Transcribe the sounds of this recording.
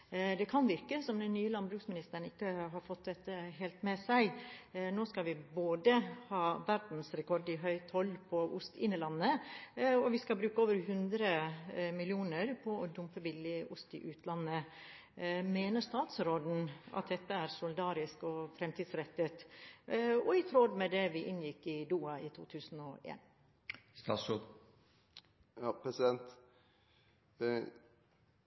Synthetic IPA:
d̪ɛkʰɑnʋɪɾkəsɔmd̪ɛnːyːəlɑnbɾʉːksmɪnɪst̪əɾɳn̩ɪkːəɦɑɾfɔt̪̚d̪ɛt̪ːəɦeːlt̪mɛsæɪnoːskɑlʋɪboːd̪əhɑːʋæɾd̪n̩sɾɛkʰɔɾɖɪɦœʏt̪ʰhɔlpʰɔʔʊst̪ɪnːəlɑnːə | ɔʋɪskɑlbɾʉːkəoːʋəɾɦʉnd̪ɾəmɪlɪuːnəɾpʰɔɔd̪ʊmpəbɪlɪʔʊst̪ɪ̰ʔʉːt̪ʰlɑnːə | meːnəʂt̪ɑːt̪sɾoːd̪n̩ɑ̰t̪̚d̪ɛt̪ːəæɾsʊlɪd̪ɑːɾɪskɔfɾɛmt̪ʰiːd̪sɾɛt̪ːət̪ | ɔɪt̪ʰɾoːd̪mɛd̪ɛʋɪʔɪnjɪkːɪd̪uːɑɪt̪ʰṵːt̪ʰʉːsn̩ɔ̰ḛːn | st̪ɑːs | ɑpʰɾɛsɪd̪ɛnt̪

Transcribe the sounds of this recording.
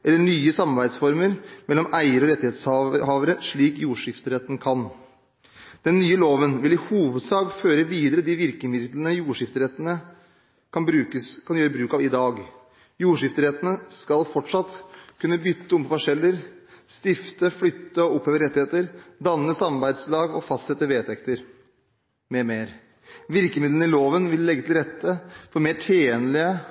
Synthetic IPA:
ʔɛlːəɳyːəsɑmɑɾbæɪd̪sfɔɾməɾmɛlːɔmʔæɪəɾəɔɾɛt̪ːɪheːt̪sɑɦɑːʋəɾəʂɭiːkjuːʂɪft̪əɾɛt̪ːənkʰɑn | d̪̥ɛnːyːəloːʋənʋɪlɪhuːʋəd̪sɑːɡføːɾəʋiːd̪əɾəd̪ɪʋɪɾkəmɪd̪d̪lənəjuːʂɪft̪əɾɛt̪ːənə | kʰɑnbɾʉːkəskʰɑnjøːɾəbɾʉːkɑʋɪd̪ɑːɡ | juːʂɪft̪əɾɛt̪ənəskɑlfɔʈʂɑt̪kʰʉnːəbʏt̪ʰːəʊmpɔfɔʂɛlːəɾst̪ɪft̪əflʏt̪ːəɔʊpheːʋəɾɛt̪ːɪheːt̪əɾd̪ɑnːəsɑmɑɾbæɪd̪slɑːɡɔfɑst̪sɛt̪ːəʋeːt̪ʰɛkt̪əɾ | mɛmeːɾ | ʋɪɾkəmɪd̪lən̩ɪloːʋənʋɪlːɛɡːət̪ʰɪlɾɛt̪ʰːəfɔɾmeːʈʰeːnlɪə

